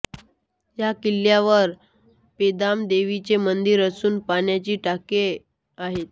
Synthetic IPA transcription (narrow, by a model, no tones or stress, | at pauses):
jakiljaʋəɾ | ped̪amd̪eʋit͡ɕemənd̪iɾəsuːnpaɳjat͡ɕiːʈake | aɦet̪